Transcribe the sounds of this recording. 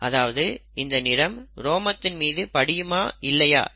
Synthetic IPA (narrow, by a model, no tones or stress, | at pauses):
ɐðaːʋɐðɯɪnd̪ɐnɪɾɐmɾoːmɐt̪ːɪnmiːðɯpɐɽɪjɯmaːɪlːɐja̰ː